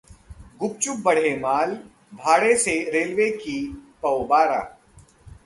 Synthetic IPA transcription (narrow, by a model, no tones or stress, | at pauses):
ɡʊpt͡ʃʊk̚bɐɽ̤emaːl | bʱaːɽeseɾeːlʋekipɐwbaːɾa̰ː